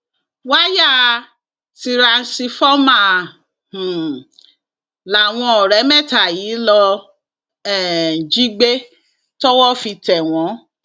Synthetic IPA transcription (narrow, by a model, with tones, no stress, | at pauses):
wa˦ja˦˨ | ti˧ɾa˧˦si˧fɔ˦mã˦˨ | h̩˨ | la˨w̃ɔ̃˧ɔ˨ɾɛ˨˦mɛ̃˦˨ta˨jiː˨˦lɔ˧ | ɛ˦˨d͡ʒi˦ɡ͡be˦ | tɔ˦wɔ˦fi˧tɛ˨w̃ɔ̃˨˦